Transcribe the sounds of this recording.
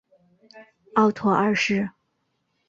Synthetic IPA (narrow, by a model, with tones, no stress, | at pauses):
ɑ˥˩ʊt̪ʰwɔ˧˥ʔə˞˥˧ʂɻ̩˥˩